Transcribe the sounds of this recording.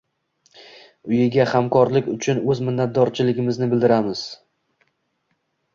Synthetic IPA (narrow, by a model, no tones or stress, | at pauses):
ʊjɪɡʲahamkʰɒɾlɪkʲʊt͡ʃʰʊnɵzmɪnːat̪̚d̪ɒɾt͡ʃʰɪlɪɡʲɪmɪznɪbɪld̪ɪɾamɪz̥